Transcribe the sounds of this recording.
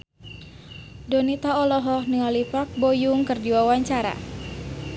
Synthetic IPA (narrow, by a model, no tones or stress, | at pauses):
dɔnit̪aɔlɔɦɔhniɔlipak̚bojuŋkɨrdiwawaɲt͡ʃaɾa̰